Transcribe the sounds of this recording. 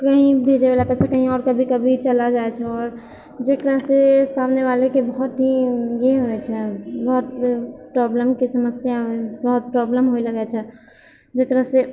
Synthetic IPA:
kəɦĩbʱed͡ʒeʋalapɛːsakəɦĩɔːɾkəbʱikəbʱit͡ʃəlad͡ʒaet͡ʃʰɛɔːɾ | d͡ʒekɾaɦsesamneʋalekebəɦʊt̪ɦiɡeɦoɛt͡ʃʰɛbɔɦʊt̪pɾɔbləmkesəməsjabəɦʊt̪̚pɾɔbləmɦoiləɡɛt͡ʃʰɛ | d͡ʒekɾaɦse

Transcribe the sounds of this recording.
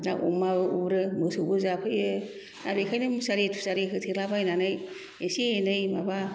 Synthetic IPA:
na̰ʔo̰mabɯubɾɯmɯsɯbɯzapʰɯjɯ | nabekʰajnɯmɯsaɾetʰu̥saɾekʰɯtʰeɾlabajnanaj | esienɯjmaba

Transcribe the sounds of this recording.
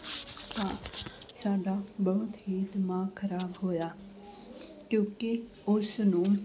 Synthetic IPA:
t̪aːsaːɖaːbɔɦʊt̪ɦiːd̪mãːkʰəɾaːbɦoːjaː | kjõːke | ʊsnũː

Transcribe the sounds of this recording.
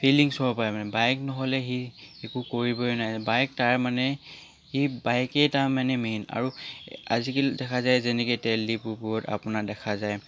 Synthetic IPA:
pʰiliŋsɔɹɔpajmanɛbajknɔɦɔlɛxiekukoɹibɔnajbajk̚taɹmanɛ | hibajkɛtamanɛmena̰ɹua̰zikidɛkʰazajzɛnɛkɔtɛldipʊɹpʊɹɔta̰pʊnadɛkʰazaj

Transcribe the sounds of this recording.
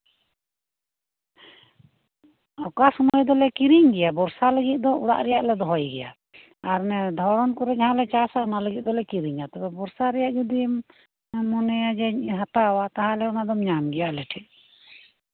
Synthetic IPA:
ɔkasɔmɔjd̪ɔlɛkiɾiŋɡɛjabɔɾsaləɡit̪̚ˀd̪ɔuɽa̰ʔɾɛjaʔlɛd̪ɔɦɔjɡɛja̰ | aɾnɛd̪ʱɔɾɔnkɔɾɛd͡ʒaɦãlɛt͡ʃasaɔnaləɡit̪̚ˀd̪ɔlɛkiɾiɲat̪ɔbɛbɔɾsaɾɛjaʔd͡ʒɔd̪i | mɔnɛjad͡ʒɛɦat̪awat̪aɦãlɛɔnaʔd̪ɔmɲamɡɛjaʔlɛʈʰɛʔ̪̚

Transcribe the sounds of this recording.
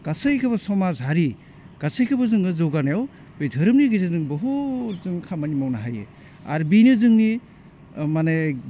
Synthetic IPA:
ɡ̥asɯjkʰɯbasɔmazɦaɾi | ɡ̥asɯjkʰɯbazɯŋɯzɔɡanajaw | bejdʱɯɾɯmniɡizazɯŋbɯɦozɯŋkʰamanimawnaɦajḛ | a̰ɾbinɯzɯŋni | mane

